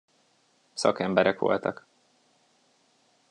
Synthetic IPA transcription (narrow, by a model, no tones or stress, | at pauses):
sɒkɛmbɛɾɛkʋo̞̰lt̪ɒk